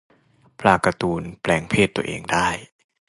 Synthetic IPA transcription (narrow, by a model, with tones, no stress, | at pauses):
pʰlaː˧˩ka˧t̪uː˧nplɛː˧˩ŋpʰeː˥˩t̪ːu˧˩ɐʔḛː˧ŋdaː˥˩j